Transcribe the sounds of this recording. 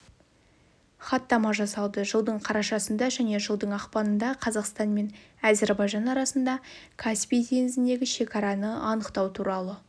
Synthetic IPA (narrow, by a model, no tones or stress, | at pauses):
χɑt̪ːɑmɑʒɑsɑlˠd̪əʒəlˠd̪əɴqʰɑɾɑʃɑsənd̪ɑʒæne̞ʒəlˠd̪əɴɑqpɑnənd̪ɑqʰɑzɑqst̪ɑnme̞næzeɾbɑjʒɑnɑɾɑsənd̪ɑkʰaspʲijt̪ʰe̞nɪzɪnd̪e̞ɡʲɪʃe̞kɑɾɑnəɑnəqt̪ɑwt̪ʰuɾɑlˠə